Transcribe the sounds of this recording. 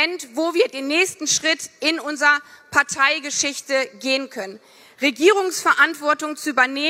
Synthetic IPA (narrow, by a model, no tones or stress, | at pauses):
ɛntvoːviːɐdeːnːɛːçstn̩ʃʁ̥ɪtɪnʔʊnzəʁɐpʰaɐtʰaɪɡəʃɪçtəɡeːənkʰœnən | ʁeɡiːʁ̞ʊŋsfɛɐʔantv̥ɔɐtʊŋt͡suʔyːbɐneː